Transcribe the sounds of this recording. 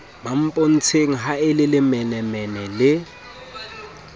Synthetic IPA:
mam̩pʼon̩t͡sʰeŋ̩ɦaɪlɪlɪmɛnɛmɛnɛlɪ

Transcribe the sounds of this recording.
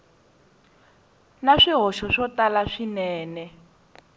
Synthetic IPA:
naʂiɦɔʃɔʂɔtalaʂinɛːnɛ

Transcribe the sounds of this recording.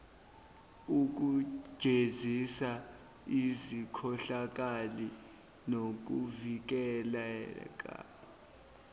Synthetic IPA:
uk̬u̥ʒ̥ʱezisa | izikʰɔɬak̬ʼali | nok̬uvik̬ɛlaɛkʼa̰

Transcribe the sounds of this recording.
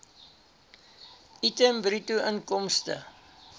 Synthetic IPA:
itəmbɾituəŋkɔmstə̰

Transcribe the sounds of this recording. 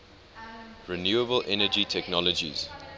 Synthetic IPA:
ɹinjuːəbəlʔɛnəd͡ʒitʰɛknɔlɔd͡ʒḭz̥

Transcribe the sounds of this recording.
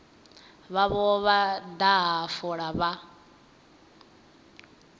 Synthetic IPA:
βaβɔβad̪aɦafɔɺaβa

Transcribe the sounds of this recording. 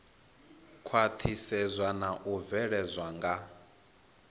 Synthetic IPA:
kʰwat̪ʰisɛzʷwanaʔuvɛɺɛzʷwaŋɡa

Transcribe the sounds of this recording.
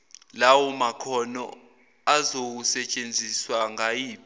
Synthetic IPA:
lawɔmakʰɔnɔ̰ | azok̬usɛt͡ʃʼend͡zʱiswaŋajiːp

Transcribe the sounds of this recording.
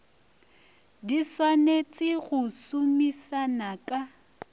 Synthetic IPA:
diswanet͡sʼɪɣʊsʊmisanakʼa

